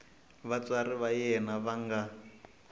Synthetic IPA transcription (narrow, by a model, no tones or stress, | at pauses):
βat͡swariβajɛnaβaŋɡa